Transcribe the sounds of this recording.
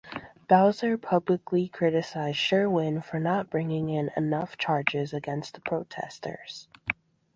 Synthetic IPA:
b̥aʊzə˞pʰʌblɨklikʰɹ̥ɪɾɨsaɪz̥ʃɜ˞wɪ̃nfə˞nət̚b̥ɹɪ̃ŋɪ̃ŋɪ̃nɨ̰nʌft͡ʃʰɑɹd͡ʒɪzɨɡɛ̃nst̪̚ðəpʰɹ̥oʊtʰɛ̰stʰə̰˞z̥

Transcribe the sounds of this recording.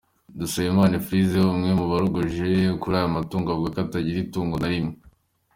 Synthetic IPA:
dusajemaːnafɾizehomŋemuβaɾoɡoʒekuɾaːjamatuːŋɡaɡɡwekataɟiɾituːŋɡonaɾimŋe

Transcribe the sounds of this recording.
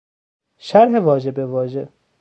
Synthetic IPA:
ʃæɾɦeʋɒːd͡ʒebevɒːʒe

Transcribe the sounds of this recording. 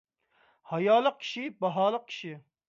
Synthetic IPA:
hɑjɑːlˠəq̚kʲʰi̥ʃibɑɦɑːlˠəq̚kʲʰi̥ʃi

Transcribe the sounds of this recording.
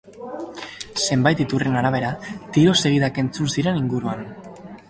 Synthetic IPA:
se̞mbajt̪it̪ure̞naɾaβ̞e̞ɾat̪iɾo̞se̞ɣ̞iðake̞nt͡sunsiɾe̞niŋɡuɾuan

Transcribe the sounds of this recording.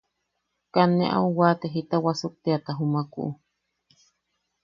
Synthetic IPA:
kanːeʔa̰uwaːt̪eɦit̪awasuk̚t̪eat̪aɦumakṵʔu

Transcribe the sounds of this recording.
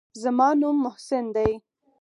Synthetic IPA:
zamɑnumːʊhsɪnd̪aj

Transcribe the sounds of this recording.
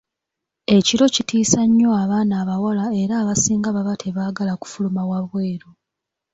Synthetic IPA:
e̞ciɾo̞citiːsaɲːo̞aβaːnaːβawalae̞ɾaːβasiːŋɡaβaβatʰe̞βaːɡalaku̥fulumawaβwe̞ːɾo

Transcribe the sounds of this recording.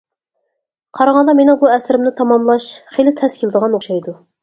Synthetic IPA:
qʰɑɾɑʁɑnd̪ɑmenɪ̃buɛsɾɪmnɪt̪ʰɑmɑmlˠɑʃχelɪt̪ʰɛskʲʰilˠɨd̪əʁɑnoχʃɑjd̪u

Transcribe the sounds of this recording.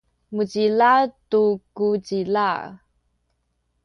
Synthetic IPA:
mud͡ʑilatukud͡ʑila

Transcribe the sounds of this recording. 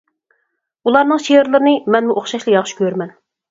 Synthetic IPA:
ulˠɑɾnɨŋʃeɪɾlˠɨɾɨnɨmɛnmuʔoχʃɑʃlˠɨjɑχʃkʲʰøɾmɛn

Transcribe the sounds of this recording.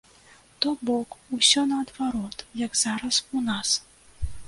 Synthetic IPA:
t̪ɔbɔkusʲɔnɐːd̪vaɾɔt̪jɐɡz̥aɾɐsunas

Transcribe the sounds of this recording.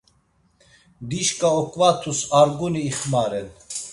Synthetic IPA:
d̪iʃkʼaɔkʼvat̪ʰusaɾɡuniːχmaɾɛn

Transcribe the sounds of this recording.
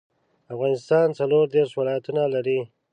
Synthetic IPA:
afɣɑnɪst̪ɑnt͡saloɾd̪eɾʂwɪlɑjat̪unalaɾi

